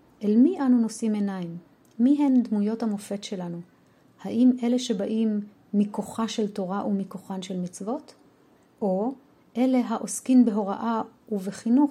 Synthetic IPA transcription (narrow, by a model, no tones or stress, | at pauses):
ʔelmiʔanuno̞sime̞naimː | iɦe̞nd̪mujo̞thamo̞fe̞tʃe̞lanu | haʔime̞le̞ʃe̞baʔimː | ikoχaʃelto̞ʁaʔumikoχanʃe̞lmit͡svo̞t | ʔo | ʔe̞le̞ɦaʔo̞skimbeɦo̞ʁa̰ʔauveχinuχ